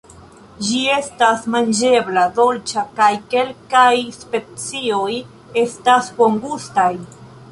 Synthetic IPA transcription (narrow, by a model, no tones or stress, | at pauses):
d͡ʒie̞stasmand͡ʒe̞blad̪o̞lt͡ʃakajke̞lkajspe̞t͡sioj | e̞staspoŋɡustaj